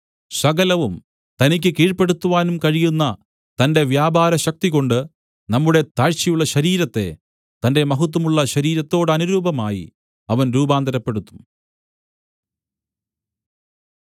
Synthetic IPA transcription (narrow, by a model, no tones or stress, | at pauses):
ɕɐɡɐlɐʋum | t̪ɐnik̬ʲːɨkiːɻpe̞ɽut̪ːuʋaːnumkɐɻijunːɐ | t̪ɐnde̞ʋjaːbaːɾɐɕɐk̚t̪iɣo̞ɳɖɨ | nɐmːuɽe̞t̪aːɻt͡ɕijuɭːɐɕɐɾiːɾɐt̪ːe̞̰ | t̪ɐnde̞mɐɦut̪̬ːɐmuɭːɐɕɐɾiːɾɐt̪ːo̞ːɽɨɐnuɾuːbɐmaːjḭ | ɐʋɐnɾuːbaːnd̪ɐɾɐpːe̞ɽut̪ːu̥m